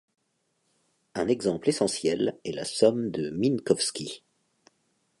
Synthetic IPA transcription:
ɛ̃nɛɡzɑ̃plesɑ̃sjɛlɛla̰sɔmd̪əminkɔfskʲi

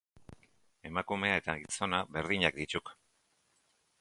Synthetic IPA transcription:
e̞makume̞ae̞t̪aɣiso̞naβe̞ɾðiɲak̚d̪it͡ʃuk

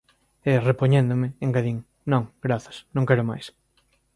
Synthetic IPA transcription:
ɛrepoɲẽnd̪omɪeŋɡaðiŋ | nõŋɡ̥ɾaθɐ̥snõŋkɛɾʊma̰js

